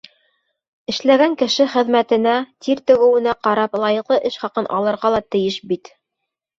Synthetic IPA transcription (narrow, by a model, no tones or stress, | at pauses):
ɘ̆ʃlæɡæŋkɘ̆ʃɘχɘ̆ðmæt̪ɘ̆næt̪iɾt̪ɵ̆ɣɘ̆wɘ̆næqɑɾɑplˠɑjɤ̆qlˠɤʔɘʃχɑqɤnʔɑ̰lˠɤ̆ɾʁɑlˠɑt̪ɘ̆jɘʃbit̪